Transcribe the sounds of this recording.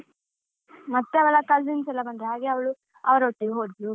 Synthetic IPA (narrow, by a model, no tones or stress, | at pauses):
mɐt̪ːeɐʋɛlːɐkalzinsɛlːɐbɐnd̪ɾeɦaːɡeɐʋɐɭu | ɐʋɐɾɐoʈːiɡɦoːɖu